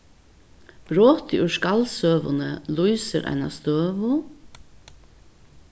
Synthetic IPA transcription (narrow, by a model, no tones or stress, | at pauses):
b̥ɾoːt̪ɪʔʏʂkalsøːʋʊ̰nəlujsəɾʔæ̰ɪna̰st̪øːʋʊ